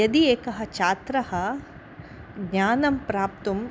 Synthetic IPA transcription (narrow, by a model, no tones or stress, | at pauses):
ɐd̪ieːkɐɦɐt͡ʃaːt̪ɾɐhɐ | ɡɲaːnɐmpɾaːp̚t̪um